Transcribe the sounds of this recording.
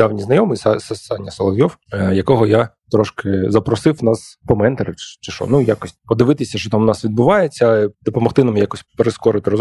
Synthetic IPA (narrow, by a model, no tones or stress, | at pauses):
d̪̥ɑwnʲiznɐjɔmɨjssɑnʲɐsɐlˠɐʋʲjɔwjɐkɔɦɔjat̪ɾɔʃkɪzɐpɾɔsɪwnɑspɔmɛnt̪ɐɾɪt͡ʃt͡ʃɪʃɔ̰nujakɔsʲpɔd̪ɪʋɪt̪ɪsʲɐʃt͡ʃɔt̪amnɑsʋʲid̪̚bʊʋɑjet͡sʲːɐd̪ɔpɔmɔxt̪ɪnamjakɔsʲpeɾɪskɔɾɪt̪ɪɾɔz